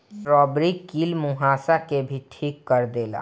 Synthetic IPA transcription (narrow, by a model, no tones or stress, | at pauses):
ɾɔːbɾikiːlmuɦaːsakebʱiʈʰiːkːəɾd̪eːla̰ː